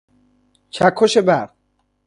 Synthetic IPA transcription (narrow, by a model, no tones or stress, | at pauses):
t͡ʃʰækʰːoʃebæɾ